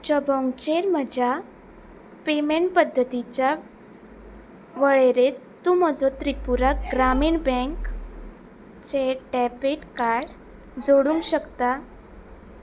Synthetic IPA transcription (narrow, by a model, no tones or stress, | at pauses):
t͡ɕəbɔ̃ŋɡt͡ɕeɾm̤əd͡ʑʱa | pemeɳʈpəd̪ʱːət̪it͡ɕja | ʋəɭeɾet̪ːum̤əd͡zɔt̪ɾipuɾakɡɾamiːɳbɛ̃ŋk | t͡ɕeʈɛpeʈkaɾɽ | d͡zoɽũŋkɕəkt̪a